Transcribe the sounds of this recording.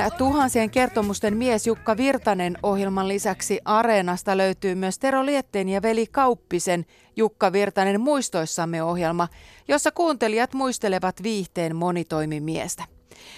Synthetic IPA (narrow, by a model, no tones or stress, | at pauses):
t̪uɦɑnsieŋke̞rt̪o̞must̪e̞mmiesjukːɑʋirt̪ɑne̞no̞ɦjelmɑnlisæksiʔɑɾe̞ːnɑst̪ɑløyt̪yːmyøst̪e̞ɾo̞liet̪ːeːnjɑʋe̞likɑuwpːise̞n | jukːɑʋirt̪ɑne̞mmuist̪o̞jsːɑmːeo̞ɦje̞lmɑjosːɑkuːnt̪e̞liɑt̪muijst̪e̞le̞ʋɑt̪ʋiːht̪e̞ːmmo̞nit̪o̞jmimiḛst̪æ